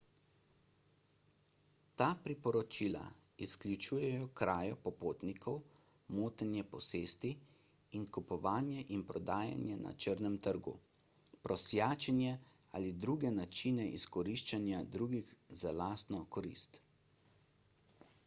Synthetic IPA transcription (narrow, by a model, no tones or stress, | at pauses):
t̪aːpɾipɔɾɔt͡ʃiːla̰ | isklʲjut͡ʃuːjɛjɔkɾaːjɔpɔpoːt̪nikʰɔw | moːt̪ɛnjɛpɔseːst̪i | inkupɔʋaːnjɛʔinpɾɔd̪aːja̰njɛna̰t͡ʃəɾnɛmt̪əɾɡṵ | pɾɔsjaːt͡ʃɛnjɛ | a̰lid̪ɾuːɡɛnat͡ʃinɛʔiskɔɾiʃt͡ʃanjad̪ɾuːɡixzalaːst̪nɔkɔɾḭːst̪